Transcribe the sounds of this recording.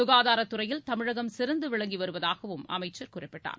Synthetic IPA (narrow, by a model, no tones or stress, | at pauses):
ʊɣaːðaːɾɐt̪ːɯɾɐjɪlt̪ɐmɪɻɐɣɐmsɪɾɐnd̪ɯʋɪɭɐŋɡiʋɐɾɯʋɐðaːɣɐʋɯmɐ̰mɐɪt͡ʃːɐɾkuːrɪpːɪʈːa̰ːɾ